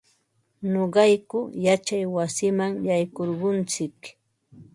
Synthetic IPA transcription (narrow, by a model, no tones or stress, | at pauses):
noɢɑjkʊjat͡ʃajwasɪmaŋjajkoɾɢʊnt͡sɪk